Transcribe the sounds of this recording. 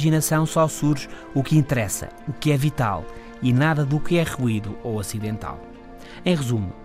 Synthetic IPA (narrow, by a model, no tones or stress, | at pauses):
ʒinɐsɐ̃w̃sɔsuɾʒ | ukĩnt̪ɨɾɛsɐ̰ukɨɛvit̪a̰lˠ | inaðɐðukɨɛʁuiðuoɐsiðẽnt̪a̰lˠ | ẽj̃ʁɨzum